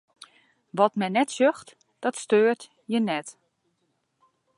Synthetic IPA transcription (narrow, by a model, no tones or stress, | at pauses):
ʋɔtmɛnɛtsøxt | d̥ɔtstøːrt | jənɛt